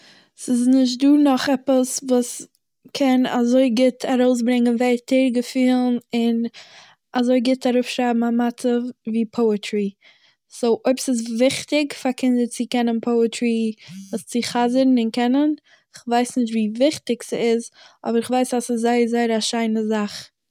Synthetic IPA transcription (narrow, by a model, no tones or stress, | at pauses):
sɪsnɪʃ̬t̚duːnɔχɛpəsvuːs | kʰɛna̰zoɪɡɪtʰaɾoʊs̬bɾɪŋənvɛɪtʰɛɾɡəfiːlˠnɪn | azoɪɡɪtʰaɾʊfʃɾaɪbm̩amatəviːpʰoʊətʰɾi | soʊʔoɪpsɪs̬vɪχtɪkfaɾkʰɪndət͡sɪkɛnənpʰoʊətɾivuːst͡sɪχazəɾn̩ɪnkɛnən | ɪχvaɪsnɪʃ̬tviːvɪχtɪɡsiɪzɔ̰bəɾɪχvaɪsasɪszaɪəzaɪɾaʃaɪnəzaχ